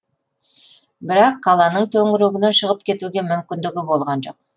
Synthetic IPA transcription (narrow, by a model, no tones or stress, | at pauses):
bɪɾɑqːɑlˠɑnəɴt̪ʰɵŋɪɾeɡʲɪnenʃəʁəp̚kʲʰe̞t̪uɡʲe̞mʏmkʲɪnd̪ɪɡʲɪbo̞lˠʁɑnʒo̞q̚